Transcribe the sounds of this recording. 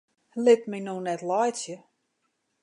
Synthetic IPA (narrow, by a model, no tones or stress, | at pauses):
lɪt̚minonɛtlɔjsjə